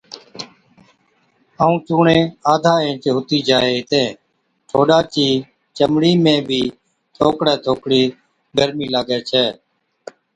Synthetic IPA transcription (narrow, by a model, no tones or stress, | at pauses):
aːũːt͡ʃũːɳẽːaːd̪ʱaːẽːt͡ʃɦʊt̪iːd͡ʒaːeːt̪ẽː | ʈ̪ʰoːɗaːt͡ʃiː | t͡ʃəmɽiːmẽːbʱiː | t̪ʰoːkɽɛːt̪ʰoːkɽiː | ɡəɾmiːlaːɡɛːt͡ʃʰɛː